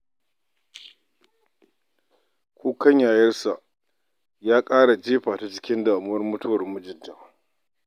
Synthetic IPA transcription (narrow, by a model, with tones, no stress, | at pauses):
kʷuː˦kɐ˦ɲjaː˨jɐ˦rsa˨ʔ | jaː˦kʼaː˦ɽa˨d͡ʒeː˦ɸaː˨ta˦t͡ʃɪ̥˦kʲɪ˦nda˨ʔa˨mʊ˦wɐ˦rmʊ˦tʊ˦wɐ˨rmʊ˦d͡ʒɪ˨dːa˨